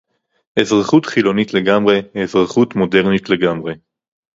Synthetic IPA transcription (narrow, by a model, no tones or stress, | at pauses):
ʔezʁaχutχilo̞nitle̞ɡamʁe̞ezʁaχutmo̞de̞ʁnitle̞ɡamʁe̞